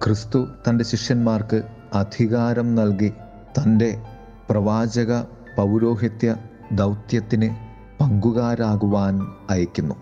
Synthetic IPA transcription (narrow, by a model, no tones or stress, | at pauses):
krɨst̪ut̪ɐnde̞ɕiʂjɐnmaːrkɨ | ɐd̪ʱiɣaːɾɐmnɐlki | t̪ɐnde̞ | prɐʋaːd͡ʑɐɣɐ | pɐwɾo̞ːɦit̪jɐ | d̪ɐwt̪jɐt̪ːinɨ | pɐŋɡuɣaːɾaːɣuʋaːnɐjɐkʲːunːu